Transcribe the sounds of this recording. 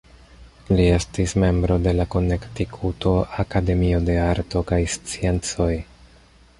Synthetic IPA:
lie̞stisme̞mbɾo̞de̞lako̞ne̞ktikʰuto̞ʔakade̞mio̞de̞aɾto̞kajst͡sie̞nt͡so̞j

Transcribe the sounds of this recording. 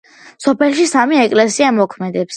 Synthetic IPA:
sɔpʰɛlˠʃisamiɛkʼlɛsiamɔkʰmɛd̪ɛps

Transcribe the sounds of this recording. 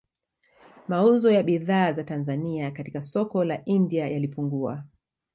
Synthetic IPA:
mauzɔjaɓiðaːzatanzaniakatikasɔkɔlaʔindiajalipuŋɡua̰

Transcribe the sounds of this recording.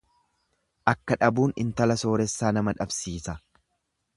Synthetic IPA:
ʔɐkːɐᶑɐbuːnɪ̰nt̪ɐlɐso̞ːɾɛsːaːnɐmɐᶑɐbsiːsɐ

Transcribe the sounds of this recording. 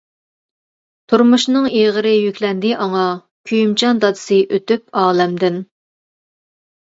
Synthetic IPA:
t̪ʰuɾmuʃnɨŋeʁəɾɪjykʲlɛnd̪ɪʔɑŋɑ | kʲʰyjymt͡ʃʰɑnd̪ɑd̪ɨ̥sɨʔøt̪yp̚ɑːlɛmd̪ɪn

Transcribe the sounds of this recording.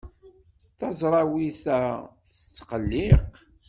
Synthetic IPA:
θɑzˤɾˤɑwiθæθət͡sːqəlːɪq

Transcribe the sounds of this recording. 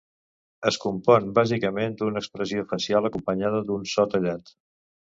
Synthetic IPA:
əskumpɔnbazikəmend̪unəːkspɾəziofəsialˠəkumpəɲaðəd̪unsɔt̪əʎat̪

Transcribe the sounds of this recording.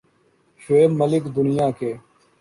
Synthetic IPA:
ʃʊeːməlɪkd̪ʊnɪjãːkeː

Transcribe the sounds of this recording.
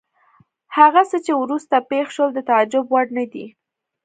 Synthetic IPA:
haɣasət͡ʃewɾust̪apexʃəld̪ət̪aad͡ʒʊbwaɖnad̪ḭ

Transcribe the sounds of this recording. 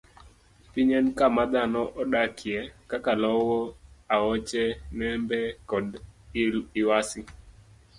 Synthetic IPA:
piɲɛnkamad̪anɔʔɔɗakʰiɛkakalɔwɔaɔt͡ʃɛnɛmbɛkɔd | ɪwasi

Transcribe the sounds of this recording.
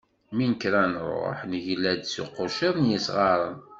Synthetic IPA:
minəkɾænrɾˤo̰ħnʝlæd̪sṵqʊʃəðˤnjəsʁɑɾˤən

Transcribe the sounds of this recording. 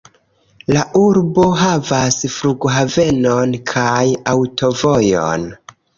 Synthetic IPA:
laʔuɾbo̞ɦavasfɾuɡɦave̞nonkʰajawtʰo̞vo̞jo̰n

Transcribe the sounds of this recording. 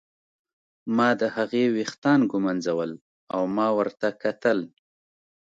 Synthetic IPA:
mɑd̪əhaɣewext̪ɑnɡʊmanzawəl | awmɑwəɾt̪akat̪əl

